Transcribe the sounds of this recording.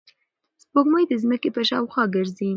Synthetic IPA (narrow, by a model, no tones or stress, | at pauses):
spoɡməjd̪əzməkepəʃɑwxɑɡəɾzi